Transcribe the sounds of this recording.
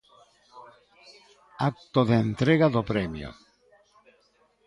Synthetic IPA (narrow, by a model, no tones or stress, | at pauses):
ak̚t̪oðeent̪ɾeɣaðopɾemjo̰